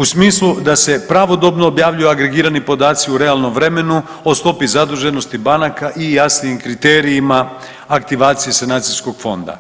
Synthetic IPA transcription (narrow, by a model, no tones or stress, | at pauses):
usmiːslˠud̪ase̞pɾaʋo̞d̪o̞bnoːbjaːʋʎujuaɡɾe̞ɡiːɾanipo̞d̪aːt̪siuɾe̞alˠno̞mʋɾe̞me̞nu | o̞st̪o̞pizad̪uʒe̞no̞st̪ibanakaʔijasnijimkɾit̪e̞ːɾiimaː | kt̪iʋaːt̪sijesenaːt̪sisko̞ɡ̥fo̞̰nd̪a̰